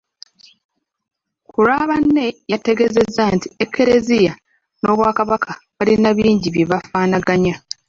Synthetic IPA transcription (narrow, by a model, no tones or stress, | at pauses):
kuɾaβanːe̞jate̞ɡe̞ze̞zːantiekʰːe̞ɾe̞zija | no̞βwaːkaβakʰaβalinaβiːɲɟiβjeβafaːnaɡaɲa